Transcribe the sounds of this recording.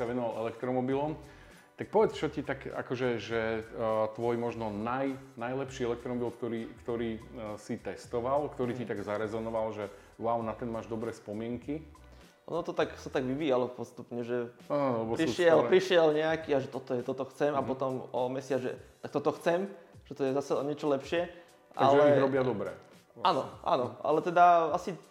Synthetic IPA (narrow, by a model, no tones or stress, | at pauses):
saʋɛnɔʋalʔɛlɛkt̪ɾɔmɔbilɔm | t̪ak̚pɔʋɛt͡st͡ʃɔcit̪aka̰kɔʒɛʒɛt̪ʋɔjmɔʒnɔnajnajlɛpʃiɛlɛk̚t̪ɾɔmɔbilkt̪ɔɾiːkt̪ɔɾiːsit̪ɛst̪ɔʋalkt̪ɔɾiːcit̪aɡzaɾɛzɔnɔʋalʒɛ | waʊnat̪ɛnmaːʒd̪ɔbɾɛːspɔmɪɛŋki | ʔɔ̰nɔt̪ɔt̪aksat̪aɡʋiʋiːjalɔpɔst̪upɲɛʒɛaɛbɔɾiʃɪɛlpɾiʃɪɛlɲɛakiːaʒɛt̪ɔt̪ɔjɛt̪ɔt̪ɔxt͡sɛmapɔt̪ɔmɔmɛsɪad͡zʒɛ̰t̪ak̚t̪ɔt̪ɔxt͡sɛmʒ̥ɛt̪ɔjɛzasɛɔɲɛt͡ʃɔlɛpʃɪɛ | ʔaɡ̰lʒɛɲiɾɔbɪad̪ɔbɾɛ̰ | a̰nɔʔa̰nɔʔa̰lɛt̪ɛd̪aasi